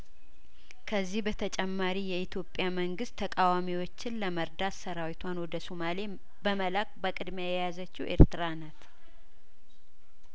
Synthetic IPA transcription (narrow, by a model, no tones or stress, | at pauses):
kʰəzːihbət̪ʰət͡ʃʼɛmːaɾijɛit̪ʰjo̞pʼːjaməŋɡɨst̪ʰːəkʼawamiwot͡ʃːɪnləməɾd̪at̪səɾawit̪ʰwanwɔd̪əsumale | bəməlak̚ʼbəkʼɨd̪meajɛjazət͡ʃːiwʔe̞̰ɾt̪ɨɾanat̪